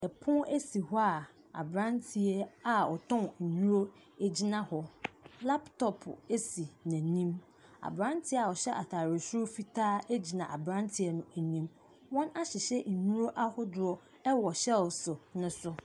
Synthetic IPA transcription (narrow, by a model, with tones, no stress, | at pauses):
ɛ˨pʰʊ̃˦e˦si˨hʊ˦a˨ | a̰˨bɾã˦ntʰi˨ɛ˦a˨ɔ˨tʰɔ̃˦ŋɲ̩˨ɲũ˦ɾo˦ | e˦d͡ʑi˦nã˦hɔ˨la˦ptʰɔ˨pʰe˦si˨nã˨nĩ˦m | a̰˨bɾã˦ntʰɪ˦a˨ɔ˨ɕɛ˦ʔa˨tʰaː˨ɾe˨su˦ʊ˦fi˦tʰaː˦e˦d͡ʑi˨nã˨ʔa˨bɾã˦ntʰɪ˨˦ɛ˦nʊ̃˦æ˨nĩ˦m | wɔ̃˦na˦ɕɪ˨ɕɛ˦ɲ̩˨ɲũ˦ɾo˦ʔa˦hʊ˦dʊ˨ɾɔ˦ | ɛ˦wɔ˨ɕɛ˦lsʊ˨nʊ̃˦sʊ˦